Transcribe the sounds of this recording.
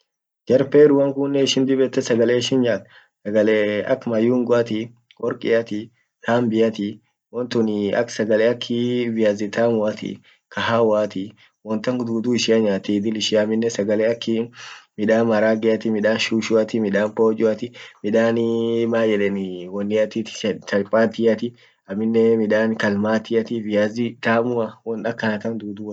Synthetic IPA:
d͡ʒɛɾpeːɾʊɐŋkʊnːɛɪʃɪnd̪ɪbɛt̪ːɛsɐɡɐleːɪʃɪnɲaːt̪ | sɐɡɐleːɐ̰kːmɐjuːŋɡʊɐt̪ɪ | wɔɾkʼɪɐt̪ɪ | t̪aːmbɪjɐt̪ɪ | wɔnt̪ʊnɪɐ̰ksɐɡɐleːɐkʰːɪvɪjazɪt̪ʰaːmʊɐt̪ɪ̰ | kɐɦaːwaːt̪ɪ | wɔnt̪ɐŋd̪uːd̪uːɪʃɪɐɲaːt̪id̪ɪlɪʃɪɐmɪnːɛsɐɡɐleːɐkːɪmɪᶑaːnmɐɾaːɡɛɐt̪ɪmɪᶑaːnʃuːʃʊɐt̪ɪmɪᶑaːnpoːd͡ʒʼʊɐt̪ɪmɪᶑaːnmaːjɛᶑɛnɪwɔnːɪɐt̪ɪt̪ɪ̥t̪ɐlpʼaːt̪ɪjɐt̪ɪ | ɐmɪnːɛmɪᶑaːnkɐlmaːt̪ɪɐt̪ɪvɪjazɪt̪aːmʊɐwɔnɐkːɐnɐt̪ɐnd̪uːd̪uː

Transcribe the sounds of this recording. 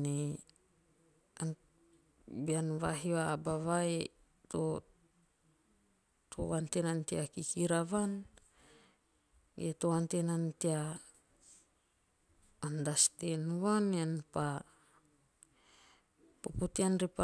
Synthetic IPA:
ne | an | bianβaɦioabaβae | to | tʰo̰wantenantiakikiɾaβan | etowantenantia | ndastenβaneanpa | poputianɾipa

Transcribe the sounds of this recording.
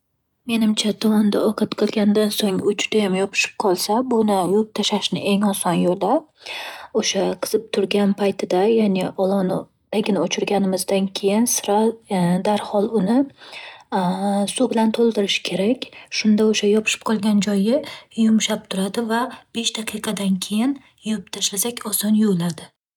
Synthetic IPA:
me̞nɪmt͡ʃʰat̪ʰɒmɒnd̪a̰ʔɒqʰɑt̪qʰɨlˠɡʲand̪ansoŋʊt͡ʃʊd̪̥ajamjɒpʰɪ̥ʃɪ̥p̚qʰɒlˠsabʊnɪjop̚t̪ʰaʃaʃnɪ̰ʔe̞ŋɒsɒnjoɾd̪a | oʃaqʰɨ̥z̥ɪp̚t̪ʰʊɾɡʲanpʰajt̪ʰɪd̪ajaːneɒlˠɒn | t̪aɡʲɪnot͡ʃʰɪɾɡʲanɪmɪzd̪ankʲʰe̞jɪnsɪɾad̪aɾhɒlˠʊnɪ | subɪlant̪ʰolˠd̪ɪɾɪʃɪ̥kʲʰe̞ɾakʲʃʊnd̪aoʃajɒpʰɪ̥ʃɪ̥p̚qʰɒlˠɡʲand͡ʒɒjɪjʊmʃap̚t̪ʰʊɾad̪ɪvab̥eʃd̪̥aqʰɨqʰɑd̪ankʲʰe̞jɪn | jʊʊpt̪ʰaʃlasakʲʰɒsɒnjolad̪ɪ

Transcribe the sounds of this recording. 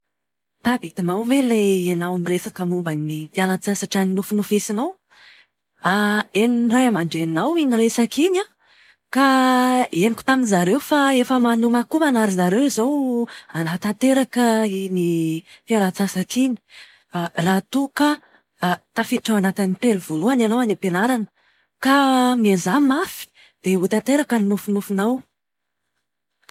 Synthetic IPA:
t̪abit̪imawveleanawmiresakəmumbanit̪ialat͡sasaʈ͡ʂanilufunufisinow | aenirajamaɳɖ͡ʐenawiɲiɾesakiɲa | ka | eniku̥t̪aminzaɾewfaefəmanumakumanaɾizaɾewizowanat̪at̪eɾakəinifiaɾat͡sasakiɲi̥ | arat̪ukə | t̪afiaʈ͡ʂawanat̪init̪eluv̥oluananowanepenaɾanə̥ | kamiazamafi̥ | d̪̥eut̪at̪eɾakəninufunufunaw

